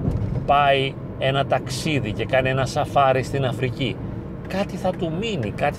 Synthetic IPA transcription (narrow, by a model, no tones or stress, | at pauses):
pɐi | e̞nɐt̪ɐksiðice̞kɐnie̞nɐsɐfɐɾist̪inɐfɾici | kɐt̪iθɐt̪uminikɐt̪i̥